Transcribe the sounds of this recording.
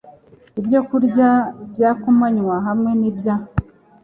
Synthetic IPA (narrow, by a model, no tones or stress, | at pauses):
ibjo̞kuɾɟabjaːkumaɲwaɦamŋe̞nibja